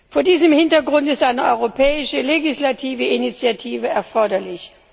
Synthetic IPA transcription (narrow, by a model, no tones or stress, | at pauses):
foːɐdiːzəmhɪntɐɡʁʊntɪstʔaɪnəʔɔʏʁopʰɛːɪʃəleɡislatʰiːvəʔinit͡sjatʰiːvəɛɐfɔɐdɐlɪç